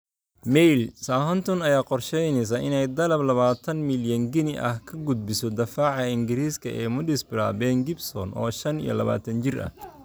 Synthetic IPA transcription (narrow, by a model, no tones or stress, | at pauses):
mɛjlsaːɦɔnt̪ʰɔnɐjaːqɔrʃɛjnɛs̬ɐʔɪnɛjd̪ɐlɐblɐβaːt̪ʰɐnmɪljɐŋɡɪnɪʔɐ̰hkʰɐɡʊd̪̚bɪsɔd̪ɐfaːʕɐɪŋɡɪɾiːskʰɐ̰ʔɛːmʊdɪsbɪɾa̰ːbɛːŋɡɪbsɔnʔɔ̰ːʃɐnḭjɔ̰lɐ̰βa̰ːt̪ʰɐnt͡ʃɪrɐ̰h